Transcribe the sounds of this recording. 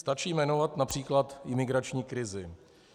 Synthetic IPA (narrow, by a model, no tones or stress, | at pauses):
st̪at͡ʃiːmɛno̞vat̪napr̝̥iːklat̪ʔɪmɪɡɾat͡ʃɲiːkɾɪzɪ